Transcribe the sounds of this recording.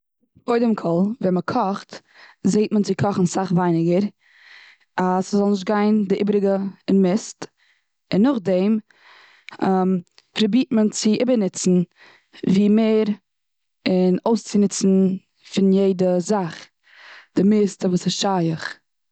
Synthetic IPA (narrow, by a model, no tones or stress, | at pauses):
boɪdɪmkʰɔlˠvɛnməkʰɔχt | zeɪtmənt͡sɪkʰɔχn̩saχvaɪnɪɡəɾ | aszɔlˠnɪʃ̬t̚ɡaɪndɪʔɪbɾɪɡəɪnmɪst | ɪnːʊχdɛɪm | m | pɾɔbiːtmənt͡sɪʔɪbənɪt͡sn̩ | viːmeːɾ | ɪnoʊst͡sɪnɪt͡sn̩ | fɪnjeɪdəzaχ | d̥ɪmɪstəvuːsɪsʃajəχ